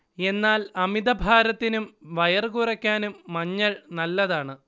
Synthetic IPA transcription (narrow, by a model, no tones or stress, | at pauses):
e̞nːaːlɐmid̪ɐbʱaːɾɐt̪ːinumʋɐjɐrkurɐkʲːaːnumːɐɲːɐɭnɐlːɐðaːɳɨ